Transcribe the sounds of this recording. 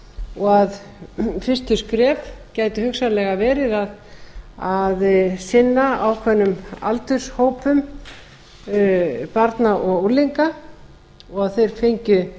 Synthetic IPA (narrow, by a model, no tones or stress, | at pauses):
ɔɣað | fɪr̥st̪ʏskɾɛːvcaːjt̪ʏhʏksalɛɣavɛːɾɪðaðaðsɪnːaawkʰvɛnːʏma̰lt̪ʏ̥shoːwpʏm | paɾt̪naʔɔɣoliŋka | ɔɣaðθejɾ̥fejɲcʏ